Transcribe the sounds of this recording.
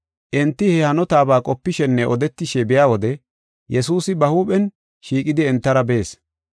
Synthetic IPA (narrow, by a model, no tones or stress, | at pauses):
ʔɪnt̪ːɪhɛhɐnɔt̪aːbaːkʼɔpːɪʃɛnːɛʔɔd̪ɛt̪ːɪʃɛbɪjaːwɔd̪ɛ | jɛsuːsɪbɐhuːpʼɛn | ʃiːkʼɪd̪ɪɛnt̪ːɐɾɐbe̞ːs